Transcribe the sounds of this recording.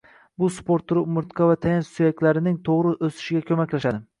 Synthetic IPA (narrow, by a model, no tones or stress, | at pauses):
bʊspoɾt̪ʰːʊɾmʊɾt̪qʰɑvat̪ʰajansʊjakʲlaɾɪnɪŋt̪ʰoʁɾɪʔɵsɪ̥ʃɪɡʲakʲʰɵmakʲlaʃad̪ɪ